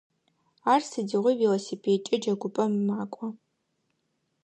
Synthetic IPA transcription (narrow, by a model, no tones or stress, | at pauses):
aːrsɨdiʁʷʊwilosipʰeːt͡ʃʼɐd͡ʒɐɡʷʊpʼɐmmaːkʷʼɔ